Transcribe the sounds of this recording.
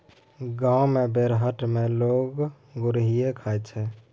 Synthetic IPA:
ɡãːumebeɾɦəʈ̪meloːɡ | ɡʊɾɦiekʰajt͡ʃʰɛ

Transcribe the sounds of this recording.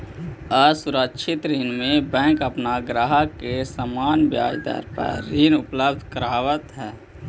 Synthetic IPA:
əsuɾəkʃʰɪt̪ɾiːnmẽbɛ̃ːŋkəpnaɡɾaɦəkesəmaːnbja̰ːd͡ʒd̪ə̰ɾpə̰ɾːiːnʊpləbd̪ʱkəɾaːwət̪ɦɛː

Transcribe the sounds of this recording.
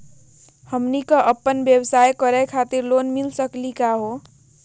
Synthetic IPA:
həmnikʌʔəpːənbjʌbsajkʌɾɛkʰat̪iɾlonmilsəklikaɦo

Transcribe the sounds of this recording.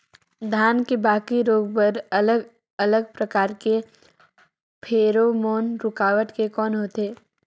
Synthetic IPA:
d̪ʱjaːnkebaːkiɾoːɡ̚pəɾələɡ | ələɡ̚pɾəkaːɾke | pʰeːɾomoːnɾʊkaːʋəʈkekɔːnɦoːt̪eː

